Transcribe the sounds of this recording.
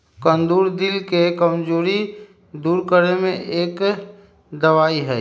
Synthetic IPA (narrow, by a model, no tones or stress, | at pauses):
kə̃nd̪uːɾd̪ɪlkekəmd͡ʒoːɾi | d̪uːɾkəɾemẽʔeːk | d̪ɐʋaːiɦɛː